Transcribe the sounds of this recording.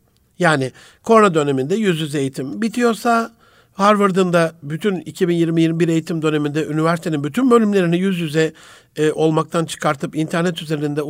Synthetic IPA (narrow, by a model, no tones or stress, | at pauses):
jaːnɪ | kʰo̞ɾnad̪ø̞ne̞mind̪ɛjyzjyze̞jit̪ʰimbit̪ʰijo̞ɾsa | haɾvɯɾd̪ɯnd̪abyt̪ʰynicʰibinjiɾmijiɾmibiɾe̞jit̪ʰimd̪ø̞ne̞mind̪ɛʔynivæɾsit̪ʰeinbyt̪ʰynbø̞lʲymlʲe̞ɾinɛjyzjyzɛ | ʔo̞lˠmak̚t̪ʰant͡ʃʰɯ̥kʰaɾt̪ʰɯpint̪ʰæɾnɛt̪yze̞ɾinind̪ɛ